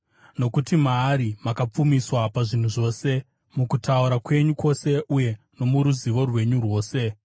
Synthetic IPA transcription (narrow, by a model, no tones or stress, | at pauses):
no̞kutimaːɾimakap͡fumiswapaʐin̤uʐo̞ːse̞ | mukutauɾakwe̞ɲukʰo̞se̞ʔuje̞ | no̞muɾuziʋo̞rwe̞ɲurwo̞ːse̞